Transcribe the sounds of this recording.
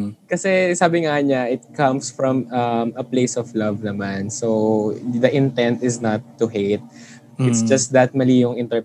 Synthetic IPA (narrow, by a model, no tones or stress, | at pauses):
kɐsɛsaːbɪŋaɲaʔɪt̪̚kɐ̃msfɹɔ̃mɐmɐpleɪsɔflɐvnɐmansowd̪ɐʔɪ̃nt̪ɛ̃nt̪ɪznɐt̪ːuheɪt̪̚ | ɪtsd͡ʒɐst̪d̪ɐt̪̚mɐliːjoŋɪ̃nt̪ɛ